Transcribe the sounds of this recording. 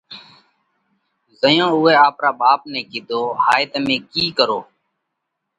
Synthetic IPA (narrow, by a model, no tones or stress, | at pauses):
zəjõːʊeːaːpɾaːɓaːpneːkɪd̪ʱoːhaːɪt̪mẽːkiːkəɾoː